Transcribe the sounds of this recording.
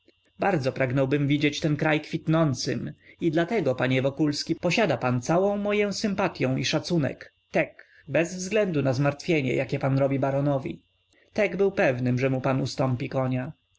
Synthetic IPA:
baɾd̪zɔpɾaɡnɔwbɘmvʲid͡ʑet͡ɕt̪ɛnkɾajkfʲit̪nɔnt̪sɘmid̪lat̪ɛɡɔpaɲɛvɔkulskʲipɔɕad̪apant̪sawɔ̃w̃mɔjɔ̃w̃sɘmpat̪ʲjɔ̃w̃iʂat̪sunɛ̰k | t̪ɛk | bɛzvzɡlɛnd̪unazmaɾt̪fʲjeɲɛ̰jakʲɛpanɾɔbʲibaɾɔnɔvʲḭ | t̪ɛɡbɘwpɛvnɘmʐɛmupanust̪ɔmpʲikɔɲa

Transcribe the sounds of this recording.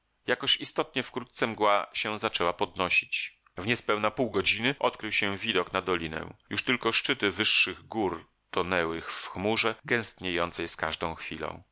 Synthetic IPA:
jakɔɕist̪ɔt̪̚ɲɛfkɾut̪̚t̪sɛmɡwaɕɛ̃zat͡ʂɛwapɔd̪nɔɕit͡ɕ | vɲɛspɛwnapuwɡɔd͡ʑinɘʔɔt̪kɾɘwɕɛ̃vʲid̪ɔknad̪ɔlʲinɛ̰juʂt̪ɘlkɔʂt͡ʂɘt̪ɘvɘʂːɘɣɡuɾ | t̪ɔnɛwɘxfxmuʐɛɡɛ̃w̃st̪ɲejɔnt̪sɛjska̰ʐd̪ɔ̃w̃xfʲilɔ̰̃w̃

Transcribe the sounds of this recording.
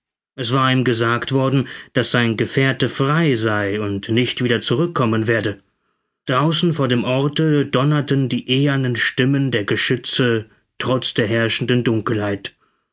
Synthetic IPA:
ʔɛsv̥aːɐiːmɡəzaːktv̥ɔɐdn̩d̥asz̥aɪnɡəfeːɐtəfʁ̥aɪzaɪʊntnɪçtv̥iːdɐt͡suʁʏkʰːɔmənveːɐdə | d̥ʁaʊsn̩foːɐdeːmʔɔɐtəd̥ɔnɐtəndiːʔeːɐnənʃtɪməndeːɐɡəʃʏt͡sə | tʁ̥ɔt͡sd̥eːɐɦɛɐʃn̩dəndʊŋkl̩haɪt

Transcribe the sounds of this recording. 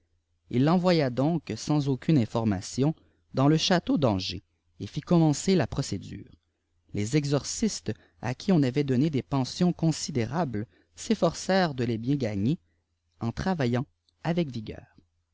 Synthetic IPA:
ilːɑ̃vwajad̪ɔ̃ksɑ̃zokʲynɛ̃fɔʁma̰sjɔ̃ | d̪ɑ̃ləʃat̪od̪ɑ̃ʒḛ | efikɔmɑ̃selapχɔsed̪y̰ːʁ | lezɛɡzɔʁsist̪ | a̰kʲʰiɔ̃navɛd̪ɔned̪epɑ̃sjɔ̃kɔ̃sid̪eʁabl | sefɔʁsɛːʁd̪əlebjɛ̃ɡaɲe | ɑ̃t̪χavajɑ̃ | avɛkviɡʲœ̰ːʁ

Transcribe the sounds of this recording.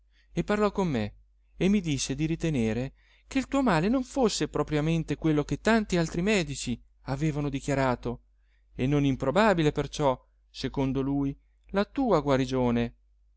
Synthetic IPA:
epːarlɔkːomːeː | mːid̪isːed̪iɾit̪eneːɾe | k̟eilt̪uːomaːlenoɱfosːepɾɔpɾjament̪ekwelːok̟et̪ːant̪ialt̪ɾimɛːd̪it͡ʃi | aveːvanod̪ikjaɾaːt̪o | enːonimpɾobabilepert͡ʃɔ | sekond̪oluːj | lat̪uːaɡwaɾid͡ʒoːne

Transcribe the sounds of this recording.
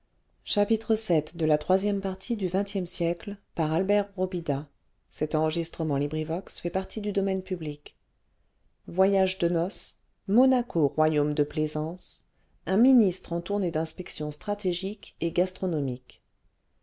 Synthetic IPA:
ʃapit̪χəsɛt̪d̪əlat̪χwazjɛmpaʁt̪ʰid̪yvɛ̃t̪jɛmsjɛklpaʁalbɛʁʁobid̪a | sɛt̪ɑ̃ʁəʒist̪χəmɑ̃libʁivɔksfɛpaʁt̪ʰid̪yd̪ɔmɛnpyblik | vwajaʒd̪ənɔs | mɔnakoʁwajomd̪əplezɑ̃s | ɛ̃minist̪χɑ̃t̪uʁned̪ɛ̃spɛksjɔ̃st̪χat̪eʒikeɡast̪χɔnɔmik

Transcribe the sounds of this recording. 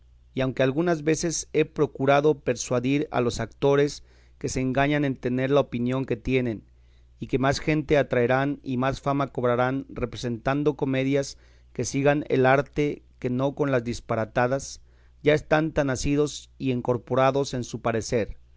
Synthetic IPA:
iawŋke̞alɣunazβe̞se̞se̞pɾo̞kuɾaðo̞pe̞ɾswaðiɾa̰lo̞sakt̪o̞ɾe̞s | ke̞se̞ːŋɡaɲane̞nt̪e̞ne̞ɾlaopinjo̞ŋke̞t̪je̞nẽ̞n | ike̞masxe̞nt̪e̞at̪ɾaeɾanimasfamako̞β̞ɾaɾanrepɾe̞se̞nt̪and̪o̞ko̞me̞ðjas | ke̞siɣanḛlaɾt̪e̞ke̞no̞ko̞nlazðispaɾat̪aðas | ʝae̞st̪ant̪anasið̞o̞sieŋko̞ɾpo̞ɾaðo̞se̞nsupaɾe̞se̞ɾ

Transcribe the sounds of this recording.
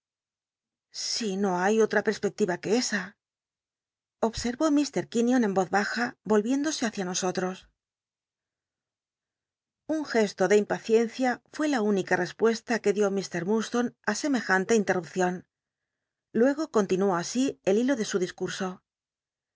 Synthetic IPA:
sino̞ajo̞t̪ɾape̞ɾspe̞k̚t̪iβake̞esa | o̞βse̞ɾβo̞mist̪e̞ɾkinjo̞nẽ̞mbo̞ðβaxabo̞lβje̞nd̪o̞se̞aθjano̞so̞t̪ɾo̞s | uŋxe̞st̪o̞ðe̞impaθje̞n̟θjafwe̞launikare̞spwe̞st̪ake̞ðjo̞mist̪e̞ɾmust̪o̞nase̞me̞xant̪eint̪e̞rup̚θjo̞n | lwe̞ɣ̞o̞ko̞nt̪inuo̞asie̞lilo̞ðe̞suðiskuɾso̞

